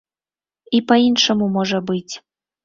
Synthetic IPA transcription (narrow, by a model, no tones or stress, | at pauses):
ipɐinʂəmumɔʐɐbɨtʲ